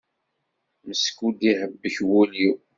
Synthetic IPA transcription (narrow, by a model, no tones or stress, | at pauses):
məskud̪iħəbːəçwulji